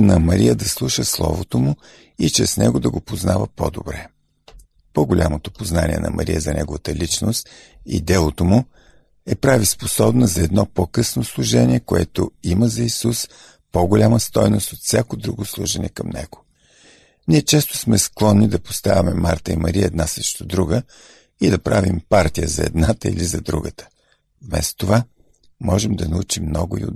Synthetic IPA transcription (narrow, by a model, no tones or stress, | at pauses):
nɐmɐɾijəd̪ɐslˠuʃəslˠɔ̰vot̪omʊ | it͡ʃɛsnɛɡod̪ɐɡopoznavəpo̰d̪o̰bɾɛ | poɡolʲʔamot̪opoznanʲḭɛ̰nɐ̰mʔɐ̰ɾijəzɐnɛɡovət̪əlit͡ʃnost̪ | ḭd̪ɛlˠot̪omʊ | ɛpɾavisposɔbnɐzɐɛd̪nɔpokɤsnoslˠuʒɛnʲiɛkoɛt̪o̰iməzɐisus | poɡʊlʲaməst̪ɔjnost̪ot̪fsʲjakod̪ɾuɡoslˠuʒənɛ̰kɐmnɛ̰ɡ̥ʊ̥ | niɛt͡ʃɛst̪ʊ̥smɛsklˠɔnːid̪ɐpo̥st̪avʲɐmɛmaɾt̪əimɐɾiəɛd̪nasəʃt̪od̪ɾuɡə | id̪ɐpɾavimpaɾt̪ijəzɐɛ̰d̪nat̪əḭlizɐd̪ɾuɡət̪ə̥ | vmɛ̰st̪o̥t̪ova | mɔʒɛmd̪ɐnɐut͡ʃimːnɔɡʊḭo̰